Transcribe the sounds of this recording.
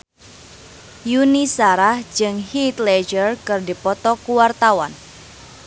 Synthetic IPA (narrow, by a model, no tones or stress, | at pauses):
junisaɾahd͡ʒɨŋhit̪lɛd͡ʒərkɨrdipɔt̪ɔkuwart̪awan